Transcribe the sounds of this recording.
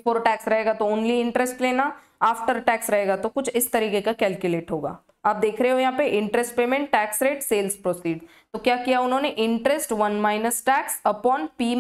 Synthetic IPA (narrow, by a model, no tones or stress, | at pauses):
foːɾʈɛːksɾɐɦeːɡat̪ooːnliɪ̃ɳʈɾɛsʈleːna | aːfʈəɾʈɛːksɾɐɦeːɡat̪okʊt͡ʃʰɪst̪ɐɾiːkekakɛːlkjʊleːʈɦoːɡa̰ː | aːp̚d̪eːkʰɾɐɦeɦojɐɦãːpeʔɪ̃ɳʈɾɛsʈpeːmẽɳʈːɛːksɾeːʈseːlspɾoːsiːɖ | t̪okjaːkijaʊnɦõːneʔɪ̃ɳʈɾɛsʈʋɐnmaːɪnəsʈɛːksɐpɔːnpiː